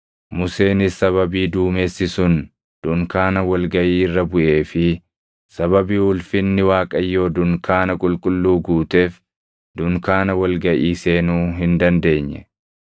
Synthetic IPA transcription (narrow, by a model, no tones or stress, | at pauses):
mʊse̞ːnɪsɐβɐbiːd̪uːmeːsːɪsʊn | d̪̥ʊŋkaːnɐwɐlɡɐʔiːrːɐbʊʔe̞ːfɪ | sɐβɐbiːhʊlfɪnːɪwaːkʼɐjːo̞ːd̪ʊŋkʰaːnɐkʼʊlkʼʊlːuːɡuːt̪eːf | d̪ʊŋkaːnɐwɐlɡɐʔiːseːnuːɦɪnd̪ɐnd̪e̞ːɲːɛ̰